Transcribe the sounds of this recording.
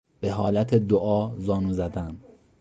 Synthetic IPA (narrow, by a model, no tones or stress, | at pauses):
b̥e̞ɦɒːlæt̪ʰed̪oʔɒːzɒːnuːzæd̪æn